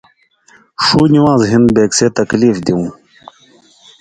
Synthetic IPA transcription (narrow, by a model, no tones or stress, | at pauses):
ʂuːniwãːzɦind̪beːkseːt̪ɐkliːfd̪iũː